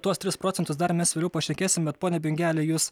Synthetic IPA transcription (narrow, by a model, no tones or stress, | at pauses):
t̪uɔst̪ʲɾʲɪspɾoːt̪ʲɛnt̪ʊsd̪ɐɾmʲɛsʋʲeːlʲɛʊpɐʃʲɛkʲeːsʲɪmbʲɛt̪poːnʲɛbʲɪŋʲɡʲæːlʲejuːs